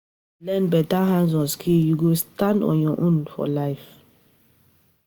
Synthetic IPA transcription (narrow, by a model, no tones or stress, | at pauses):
lɛ̃nbɛtaɦãnzɔ̃skʰijuɡostãndɔ̰̃jɔ̃ʔũnfɔ̰laɪf